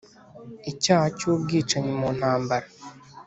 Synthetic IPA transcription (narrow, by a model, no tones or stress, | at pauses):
icaːhacuːb̚ɡiːt͡ʃaɲemuːn̥haːmbaɾa